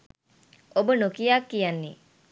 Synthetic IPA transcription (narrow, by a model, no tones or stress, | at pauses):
obənokijakːijanːi